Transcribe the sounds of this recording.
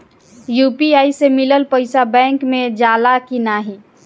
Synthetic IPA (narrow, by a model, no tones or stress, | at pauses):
juːpiaːisemɪləlpəɪsabɛ̃ːŋkmẽd͡ʒaːlakinaːɦi